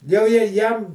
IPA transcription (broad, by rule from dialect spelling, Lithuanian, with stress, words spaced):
jɛʊ jɛ ˈjɛm